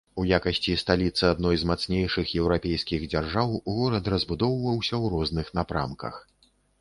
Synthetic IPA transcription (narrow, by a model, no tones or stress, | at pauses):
ujakɐsʲt͡sʲist̪alʲit̪sːɨad̪nɔjzmat̪snʲejʂɨxjɛwɾapʲejskʲiɣd͡zʲarʐawɣɔɾɐt̪rɐzbud̪ɔwvɐwsʲɐwɾɔznɨxnapɾa̰mkɐ̰x